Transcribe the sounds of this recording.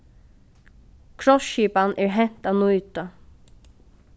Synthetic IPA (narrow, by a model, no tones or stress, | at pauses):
kʰɹɔʃiːpanʔɛːɹɦɛn̥t̪aːʋnuʏt̪ə